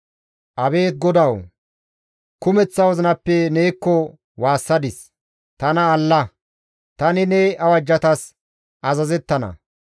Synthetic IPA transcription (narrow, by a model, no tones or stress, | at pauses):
ʔɐbe̞ːt̪̚ɡɔd̪ɐw | kʊmɛt͡sːɐwɔzɪnɐpːɛneːkːɔ | waːsːɐd̪ɪs | t̪ɐnɐːlːɐ | t̪ɐnɪnɛɐwɐd͡ʒːɐt̪ɐs | ʔɐzɐzɛt̪ːɐnɐ̰